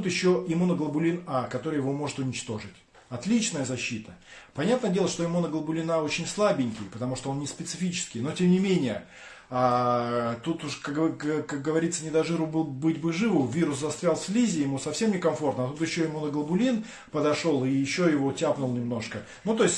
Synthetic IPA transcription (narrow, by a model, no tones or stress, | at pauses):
t̪ut̪jɪɕːo̞ɪmunəɡlˠəbʊlʲinakɐt̪o̞ɾɨjɪvo̞mo̞ʐɨt̪ʊnʲɪt͡ɕt̪o̞ʐɨtʲ | ɐt̪lʲit͡ɕnəjəzɐɕːit̪ʰəpɐnʲat̪nədʲe̞lˠəʂt̪o̞jɪmunəɡlˠəbʊlʲinao̞t͡ɕɪnʲslˠabʲɪnʲkʲɪjpət̪ɐmuʂt̪oəo̞nnʲɪspʲɪt̪sɨfʲit͡ɕɪ̥skʲɪjno̞tʲe̞mnʲɪmʲenʲɪjə | a | t̪ut̪ʊʂkakkak̚ɡəvɐɾʲit̪sənʲɪd̪ɐʐɨɾʊbɨlˠbɨtʲbɨʐɨvʊvʲiɾʊszɐst̪vʲalˠfʲsʲlʲizʲɪjɪmusɐfsʲe̞mnʲɪkɐmfo̞rt̪nəɐt̪ut̪jɪɕːo̞ɪmunəɡlˠəbʊlʲin | pəd̪ɐʂo̞lˠɪjɪɕːojɪvo̞tʲapnʊlˠnʲɪmno̞ʂkə | nut̪o̞ɪsʲtʲ